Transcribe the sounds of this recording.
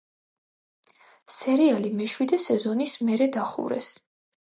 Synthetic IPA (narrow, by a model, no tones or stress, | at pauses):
sɛɾialimɛʃwid̪ɛsɛzɔnismɛɾɛd̪aχṵɾɛ̰s